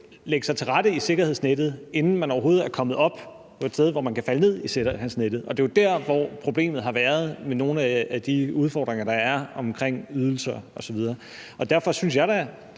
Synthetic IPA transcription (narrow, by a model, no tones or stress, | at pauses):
leɡ̥əsɑ̈ɪt͡sʰe̝ʁɑɾ̥əise̝ɡ̥ɐheð̰ˠsned̥ð̞̩ˠe̝nn̩mænɒʊɐɦo̝ːð̩ˠæɐkʰɒ̽məð̞̩ˠɒ̽b̥ | pʰɒ̽ed̥steð̞ˠʋɒmænkʰæfæləne̝ð̞̰ˠishænsneɾ̥ð̩ˠɒ̽d̥e̝jod̥æɐ̰ʋɒpʰʁo̝b̥le̝̰ːmð̩ˠɦɑ̈ʋæːɐð̞ˠmeno̝ːn̩ææd̥iuð̞ˠfɒ̰d̥ʁeŋɐɾ̥ɑ̈æɐɒ̽mkʰʁeŋ̰yð̞ˠl̩sɐɒ̽sɒʋið̞ˠɐː | ɒ̽d̥æɐfɒ̽syns̬jɑ̈ɪɾ̥æ